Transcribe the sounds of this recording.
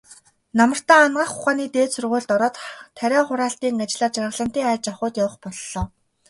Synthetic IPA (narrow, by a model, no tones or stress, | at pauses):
namə̆r̥t̪aːnɢaːχʊχaːniːt̪eːt̪sɵrʁʊːɮt̪ɔɾɔːt̪ʰːæɾʲɔːχʊɾaːɬt̪iːŋat͡ɕɪ̆ɮaːt̪t͡ɕarʁə̆ɮə̆m̥t̪iːŋæːt͡ɕaχʊːt̪jawə̆χpɔɮːɔː